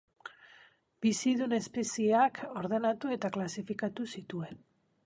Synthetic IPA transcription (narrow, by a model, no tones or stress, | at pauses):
bisiðune̞spe̞siakʰo̞ɾðe̞nat̪ue̞t̪aklasifikat̪usit̪ue̞n